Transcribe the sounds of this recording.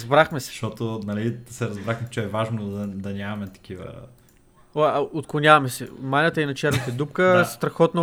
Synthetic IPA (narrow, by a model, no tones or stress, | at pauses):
zbɾaxmɛsɛ̥ʃt̪ɔt̪onɐlid̪ɐsɛɾɐzbɾaxmɛt͡ʃɛɛvaʒnod̪ɐd̪ɐnʲamɐmɛt̪ɐ̥k̟ivə̰ | oaot̪̚klˠʊnʲavɐmɛsɛmanʲət̪əinɐt͡ʃɛɾnət̪əd̪up̚kəst̪ɾɐxɔt̪nɐ